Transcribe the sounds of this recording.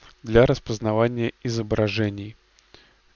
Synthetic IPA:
d̪lʲaɾəspəznɐvanʲɪjəɪzəbɾɐʐɛnʲɪj

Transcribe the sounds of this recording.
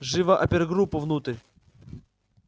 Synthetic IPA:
ʐɨvɐʔɐpʲɪɾɡɾupːʊvnut̪ɾʲ

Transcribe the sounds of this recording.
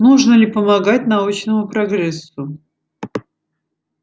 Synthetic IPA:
nuʐnəlʲɪpəmɐɡat̚ʲnɐut͡ɕnəmʊpɾɐɡrɛsːʊ

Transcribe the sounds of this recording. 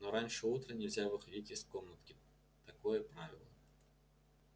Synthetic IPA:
noɾanʲʂɨut̪ɾənʲɪlʲzʲavɨxɐdʲitʲɪsko̞mnət̪kʲɪ | t̪ɐko̞jəpɾavʲɪ̰lˠə̰

